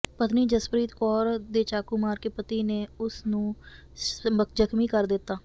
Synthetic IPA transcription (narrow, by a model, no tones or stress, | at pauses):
pət̪niːd͡ʒəspɾiːt̪kɔːɾd̪eːt͡ʃaːkumaːɾkeːpət̪iːneːʊsnũː | məkd͡ʒəkʰmiːkəɾd̪ɪt̪ːaː